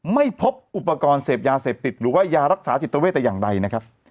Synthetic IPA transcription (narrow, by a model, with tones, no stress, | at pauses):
ma˥˩jpʰo˦˥p̚ʔu˨˩pːa˧kɔː˧nseː˨˩p̚jaː˧seː˨˩p̚t̪i˨˩t̪̚ɾɯː˩˦waː˥˩jaː˧ɾa˦˥k̚saː˩˦t̪i˨˩t̪ːa˧e˥˩t̪ːɛ˨˩jaː˨˩ŋda˧jna˦˥kʰa˦˥p̚